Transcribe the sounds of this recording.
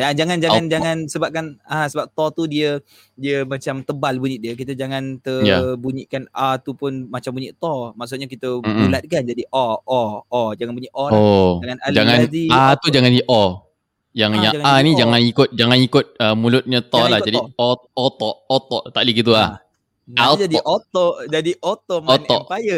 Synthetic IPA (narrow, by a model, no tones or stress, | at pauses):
jad͡ʒaŋand͡ʒaand͡ʒaŋansəbap̚kanasəbap̚t̪ɔt̪udiə | diəmat͡ʃamt̪əbalbuɲiʔdiək̬it̪əd͡ʒaŋant̪əjabuɲiʔkanat̪upʊnmat͡ʃambuɲiʔt̪ɔmaʔs̬ʊt̪̚ɲakit̪əbulat̪̚kand͡ʒadiʔɔʔɔʔɔd͡ʒaŋanbuɲiʔɔlaɔaŋanald͡ʒaŋandiat̪ud͡ʒaŋandiʔɔ | jaŋjaanid͡ʒaŋanikʊt̪̚d͡ʒaŋanikʊt̪̚əmulʊt̪̚ɲət̪ɔlahd͡ʒadiɔot̪ɔʔot̪ɔʔt̪aʔliɡit̪̬ula | nad͡ʒatdiʔot̪ɔʔd͡ʒadiʔot̪ɔmɔɔʔpajə